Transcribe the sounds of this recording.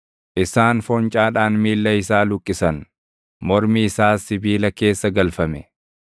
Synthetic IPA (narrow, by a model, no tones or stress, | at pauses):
ʔɪsaːnfɔnt͡ʃʼaːᶑaːnmiːlːɐɪsaːlʊkʼːɪsɐn | mɔɾmiɪsaːsɪbiːlɐke̞ːsːɐɡɐlfɐmɛ